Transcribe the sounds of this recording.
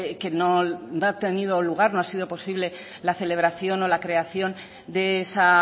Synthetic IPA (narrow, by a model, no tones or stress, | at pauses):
ke̞no̞noat̪enið̞o̞luɣ̞aɾno̞asiðo̞po̞siβle̞ | laθe̞le̞β̞ɾaθjo̞no̞lakɾe̞aθjo̞n | d̪eesa